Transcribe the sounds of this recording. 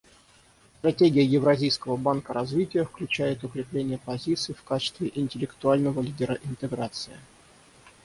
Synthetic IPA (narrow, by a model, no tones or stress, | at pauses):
st̪ɾɐtʲeɡʲɪjəjɪvɾɐzʲijskəvəbankəɾɐzvʲitʲɪjəfklʲʉt͡ɕæjɪt̪ʊkɾʲɪplʲenʲɪjəpɐzʲit̪sɨːfkat͡ɕɪ̥st̪vʲɪʔɪnʲtʲɪlʲɪkt̪ʊalʲnəvəlʲidʲɪɾəʔɪnt̪ɨɡɾat̪sɨɪ